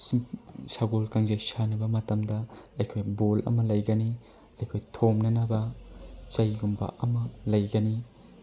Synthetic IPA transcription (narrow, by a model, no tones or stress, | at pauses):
saɡolkaŋzɐjsanɐbɐmɐtɐmdɐɐjkʰojbolʔɐ̰mɐlɐjɡɐni | ɐjkʰojtʰomnɐnɐbɐt͡ʃɐjɡumba̰ʔɐmɐlɐjɡɐni